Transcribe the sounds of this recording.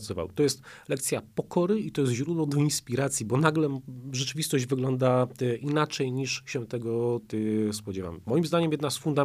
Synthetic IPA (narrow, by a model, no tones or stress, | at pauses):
t̪sɔva̰wt̪ɔjɛst̪lɛkt̪sʲjapɔkʰɔɾɘit̪ɔjɛst̪ʑɾud̪wɔd̪ɔinspʲiɾat̪sʲjibɔnaɡlɛʐɛt͡ʂɘvʲist̪ɔʑd͡ʑvɘɡlɔnd̪aʔinat͡ʂɛjɲiʂɕɛt̪ɛɡɔt̪ɘspɔd͡ʑɛva̰mːɔjimzd̪aɲɛmjɛd̪nasfund̪a